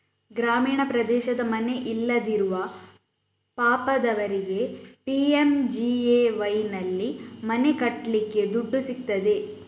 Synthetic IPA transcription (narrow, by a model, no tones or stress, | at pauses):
ɡɾaːmiːɳɐpɾɐd̪ɛːʃɐd̪ɐmɐne̞ʔilːɐd̪iɾuʋɐ | paːpɐd̪ɐʋɐɾiɡe̞piemd͡ʒieːʋɐjnɐlːimɐne̞kɐʈːlikːe̞d̪uɖːusik̚t̪ɐd̪e̞